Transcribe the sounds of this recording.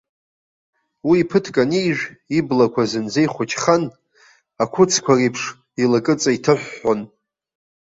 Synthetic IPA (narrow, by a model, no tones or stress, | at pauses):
wiːpʰɨtʰkʼanijʒᶣiblakʷʰazɨnd͡zejχʷʊt͡ʃʰχan | akʷʰʊt͡sʰkʷʰarijpʰʂ | ilakʼɨt͡sʼaitʰɨħʷːon